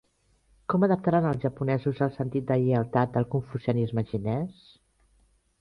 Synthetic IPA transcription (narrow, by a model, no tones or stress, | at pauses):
kɔməðəp̚t̪aɾanəlˠzʒəpunɛzuzəlˠsənt̪it̪̚d̪əiəlˠt̪at̪̚d̪əlˠkuɱfuziunizməʒinɛs